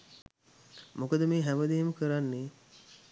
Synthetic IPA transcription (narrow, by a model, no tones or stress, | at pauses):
mokəd̪əmeːɦæməd̪eɦməkəɾanːe